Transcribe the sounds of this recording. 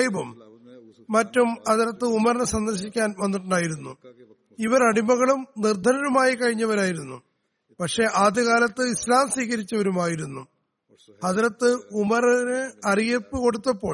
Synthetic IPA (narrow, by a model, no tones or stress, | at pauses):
jbɐmː | ɐtːumɐðiɾɐt̪ːɨumɐɾɐnɨsɐnd̪ɐrɕikʲːaːnʋɐnːiʈːuɳɖaːjiɾunːu | iʋɐɾɐɽimɐɣɐɭumnird̪ʱɐɾɐnumaːjikɐɻiɲːɐʋɐɾaːjiɾunːṵ | pɐkʂe̞ʔaːd̪ʱɐɣaːlɐt̪ːɨislaːmswiːɣɐɾit͡ɕːɐʋɐɾumaːjiɾunːu | hɐðiɾɐt̪ːɨumɐɾɐnɨɐrijɐpːɨko̞ɽut̪ːɐpːo̞ː